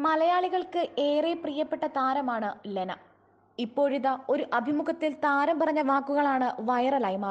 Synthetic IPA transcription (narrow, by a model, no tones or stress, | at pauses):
mɐlɐjaːɭiɣɐɭkɨʔeːreprijɐpːeʈːɐt̪aːɾɐmaːɳɨlenɐ | ipːo̞ːɻiðɐo̞ɾuʔɐbʱimukʰɐt̪ːilt̪aːɾɐmpɐrɐɲːɐʋaːkːuɣɐɭaːɳɨʋɐjɐrɐlaːjmaː